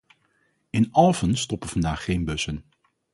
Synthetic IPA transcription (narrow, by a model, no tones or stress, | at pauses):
ɪnʔɑlˠvənstɔpəv̥ɑndaːχːejnbɵsən